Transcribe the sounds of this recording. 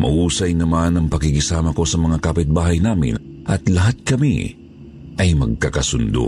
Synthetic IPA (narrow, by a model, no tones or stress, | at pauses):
mʔɐ̰ʔuːsɐjnɐmanɐŋpɐkɪɡɪsaːmɐko̞sɐmɐŋakapɪt̪̚baːɦɐjnaːmɪ̰n | ʔɐt̪lɐɦat̪̚kɐmḭ | ʔɐjmɐɡ̚kakɐsʊnd̪o̰